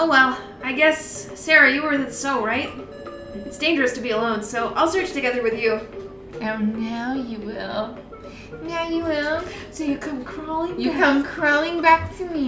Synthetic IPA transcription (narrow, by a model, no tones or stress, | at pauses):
oʊwɛlˠ | aɪɡɛsː | ɛɹɨjɨwə˞ɨðɨ̃tsoʊɹaɪt̚ | ɨtsd̥ẽɪ̃nd͡ʒə˞ɨstʰɨbiəlõʊ̃nsoʊʔa̰ɪlˠsɜ˞t͡ʃtɨɡɛðə˞wɨðjʉ | õʊnaʊjɨwɪ̰lˠ | naʊjɨwɪlˠ | soʊjɨkʰʌ̃mkʰɹ̥ɔlˠɪ̃ŋjɨkʰʌ̃mkʰɹ̥ɔlˠɪ̃ŋbæk̚tʰɨmi